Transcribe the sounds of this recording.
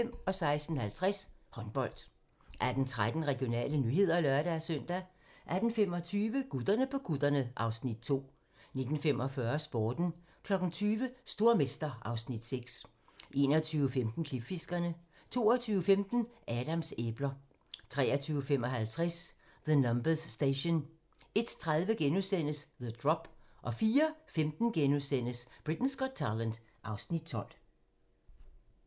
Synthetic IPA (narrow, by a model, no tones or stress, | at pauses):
m̰ɒ̽sɑ̈ɪsd̥n̩hælt͡sʰʁɛshɒ̽nb̥ɒ̽l̰d̥ | ʔæd̥ent͡sʰʁad̥n̩ʁɛɡ̥jo̝nɛ̰ːlənyhe̝ð̞̰ˠɐlœɐɾ̥ææsœn̰d̥æ | ʔæɐd̥n̩fem̰ɒ̽t͡sʰyːʋəɡ̥ud̥ɐnəpʰɒ̽ɡ̥uð̥ˠɐnəʔɑ̈ʊsnid̥̚t͡sʰo̝̰ː | ne̝d̥n̩fem̰ʔɒ̽fɶɐsb̥oːd̥n̩ | kʰlɒ̽ɡ̥n̩t͡sʰyːʋəsd̥o̝ɐmesd̥ɐɑ̈ʊsnid̥seɡ̥s | ʔe̝̰ːnɒt͡sʰyːʊəfemd̥n̩kʰlib̥fe̝sɡ̥ɐnə | t͡sʰo̝̰ːɐt͡sʰyːʊəfemd̥n̩ʔæɾ̥æmseb̥lɐ | t͡sʰʁɛ̰ːɐt͡sʰyːʊəfem̰ɒ̽ɦælt͡sʰʁɛs | ðənɒmb̥əsːd̥eɪɕon | e̝d̥t͡sʰʁað̞ˠʋəɡ̥enusen̰əsðəd̥ʁɒ̽b̥ | ʔɒ̽fiːɐfemd̥n̩ɡ̥enuðˠsen̰əsb̥ʁid̥n̩sɡ̥ɒ̽d̥̚t͡sʰɑlænd̥ | ʔɑ̈ʊsnid̥̚t͡sʰɒ̽l̰